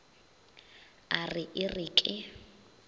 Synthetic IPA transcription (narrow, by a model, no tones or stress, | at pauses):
arɪʔɪrɪːkʼɪ